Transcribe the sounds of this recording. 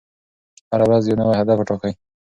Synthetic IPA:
haɾawazjonawahad̪afaʈokaj

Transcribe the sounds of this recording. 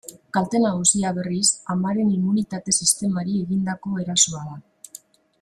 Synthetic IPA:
kalt̪e̞naɣusiaβe̞risamaɾe̞nimunit̪at̪e̞sist̪e̞maɾie̞ɣind̪ako̞e̞ɾasoaða

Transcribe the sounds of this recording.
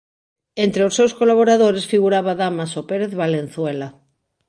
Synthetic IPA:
ent̪ɾeosewskolaβoɾaðoɾesfiɣuɾaβaðamasopeɾeθβalen̟θwela

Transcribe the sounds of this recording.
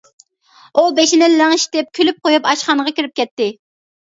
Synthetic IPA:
ubeʃinɪnlæŋʃt̪ɪp̚kʲʰylyp̚qojupɑʃχɑŋʁɑkʲiɾyp̚kʲɛt̪ːɪ

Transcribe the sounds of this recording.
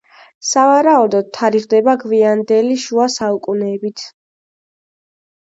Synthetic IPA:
savaɾaud̪ɔd̪̚t̪ʰːaɾiʁd̪ɛbaɡviand̪ɛliʃuasaukʼunɛːbit̪ʰ

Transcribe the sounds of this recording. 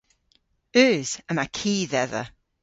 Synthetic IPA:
ʉːz̥əmakʰiːðɛðə̰

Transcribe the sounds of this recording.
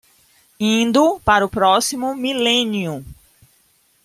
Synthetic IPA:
ĩnd̪ʊpaɾʊpɾɔsimʊmilẽniʊ

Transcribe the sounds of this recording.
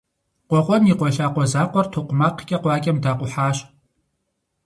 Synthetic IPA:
qʷɔqʷʼɔniqʷɔɬaːqʷɔzaːqʷɔrtʰoqʷʊmaːqkʲʼɐqʷɑːkʲʼɐmdaːqʷʊħaːɕ

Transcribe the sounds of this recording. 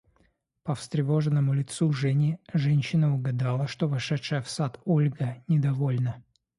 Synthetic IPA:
pəfst̪ɾʲɪvo̞ʐɨnːəmʊlʲɪt̪suʐɛnʲɪʐɛnʲɕːɪnəʊɡɐd̪alˠəʂt̪o̞vɐʂɛtʂəjəfsat̪olʲɡənʲɪd̪ɐvolʲnə

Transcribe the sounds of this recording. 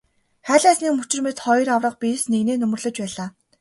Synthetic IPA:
χæːɮæːsniːkmɵt͡ɕɪ̆rmet̪χɔj̆rawrə̆q̚pisneɣneːnɵmɵ̆rɮɵ̆t͡ɕpæːɮaː

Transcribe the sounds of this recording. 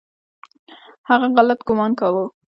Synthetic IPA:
haɣaɣalat̪ɡʊmɑnkawə

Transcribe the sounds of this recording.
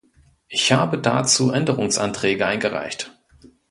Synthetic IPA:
ʔɪçhaːbəda̰t͡suːʔɛndəʁʊŋsʔa̰ntʁ̥ɛːɡəʔaɪnɡəʁa̰ɪçt

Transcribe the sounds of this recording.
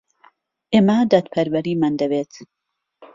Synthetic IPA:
ʔeːmɐd̪ad̪pʰɐɾwɐɾimand̪ɐbet̪

